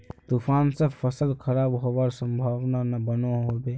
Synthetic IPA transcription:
t̪ufaːnsəfʰəsəlkʰəɾaːbɦobaɾsə̃mbʱaːʋnanabənoɦobeː

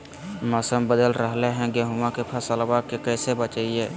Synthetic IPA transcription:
məsəmbəd̪əlɾəɦleɦɛ̃ɡeɦumãkepʰəsəlbakekɛːsebət͡ʃəiɛː

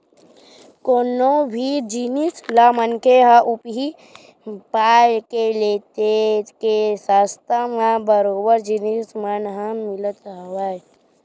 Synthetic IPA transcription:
konobʱid͡ʒinislamənkʰeɦə̃ʔupɦi | pajkelet̪ekesast̪ʰamãbəɾoːbəɾd͡ʒinismənɦə̃milət̪ɦəwaj

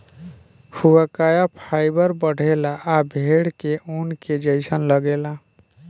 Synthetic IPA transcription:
fuakajapʰaɪbəɾbəɽ̤ʱelaʔːbʱeɽkeʔonked͡ʒəɪsənləɡela

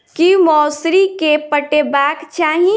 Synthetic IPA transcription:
kimɔːsɾikepəʈebaːkt͡ʃaːɦĩ

